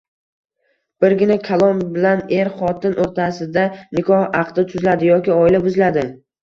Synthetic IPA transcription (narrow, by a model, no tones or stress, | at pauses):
b̥ɪɾɡʲɪnakʲʰalˠɒnbɪlane̞ɾχɒt̪ɪnʔoɾt̪ʰasɪd̪anɪkʰɒhɑqd̪ɪt̪ʰʊzlad̪ɪjɒkʲɪɒɪlabʊzlad̪ɪ